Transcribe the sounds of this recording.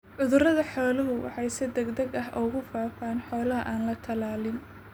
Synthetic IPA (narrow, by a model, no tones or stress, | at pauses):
ʕʊðʊrɐðɐħɔːlɐɦʊwʔɑ̰ħɑjsɛd̪ɛɡd̪ɐɡɐɦʔɔːɣʊfaːfaːnħɔːlɐɦɐʔaːnlɐt̪ʰɐlaːlɪn